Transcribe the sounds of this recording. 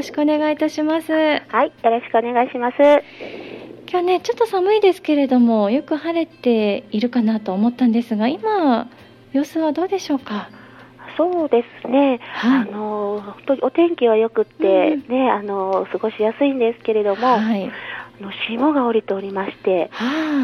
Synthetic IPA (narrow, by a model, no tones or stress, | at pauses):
joɕi̥kɯone̞ɡait̪aɕimasɨhaijo̞ɾo̞ɕi̥kɯ̟o̞ne̞ɡaiɕimasɨ | kʲoːne̞t͡ɕo̞t̪ːo̞samɯ̟id̪e̞sɨ̥ke̞ɾe̞d̪o̞mo̞jo̞kɯ̟haɾe̞t̪ːe̞iɾɯ̟kanat̪o̞ːmo̞t̪ːãnd̪e̞sɨɡaima | jo̞ːsɨβad̪o̞ːd̪e̞ɕo̞ːka | so̞ːd̪e̞sɨ̥ne̞haano̞hõnt̪oɲʲio̞t̪ẽ̞ŋkʲiβajo̞kɯ̟t̪ːe̞ne̞ano̞sɨɡo̞ɕijasɨĩnd̪e̞sɨ̥ke̞ɾe̞d̪o̞mo̞haiano̞ɕimoɡaoɾʲit̪eoɾʲimaɕi̥t̪e̞ha